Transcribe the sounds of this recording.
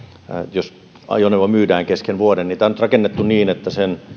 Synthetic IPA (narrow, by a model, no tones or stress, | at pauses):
jos | ɑ̰joneʋɑmyːdæːŋkeskenʋuodeniːt̪æˑonyt̪rɑkenːet̪ːuniːnet̪ːæsen